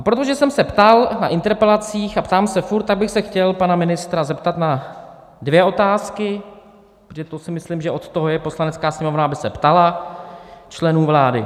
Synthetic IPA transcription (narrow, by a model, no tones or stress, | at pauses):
apɾo̞t̪oʒɛsɛmsɛpt̪alna̰ʔɪnt̪ɛɾpɛlat͡siːxapt̪aːmsɛfuɾrt̪tːaɡ̚bɪxsɛxcɛlpanamɪnɪst̪ɾazɛpt̪at̪na | dvjɛo̞t̪aːskɪ | pʒɛt̪osɪmɪslimʒɛʔo̞t̪t̪o̞ɦojɛpo̞slanɛt͡skaːsɲɛmo̞vnaabɪsɛpt̪ala | t͡ʃlɛnuːvlaːdɪ̰